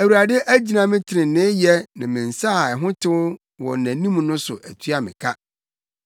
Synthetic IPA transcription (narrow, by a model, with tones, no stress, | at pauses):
æ˨wu˨ɾa˨dɪ˦ʔæ˦d͡ʑi˨˦nã˨mɪ̃˦tʰɪ˨ɾɪ̃˨nɪ̃˦jɛ˦nã˨mɪ̃˨n̩˨sa˦a˨ɛ˨ɦʊ̃˦tʰɪ˦wʊ˦ | wɔ̰˨næ̃˨nĩ˦m̃˨nʊ̃˦sʊ̰˨ʔæ˨tʰɥa˨mɪ̰̃˨kʰa˦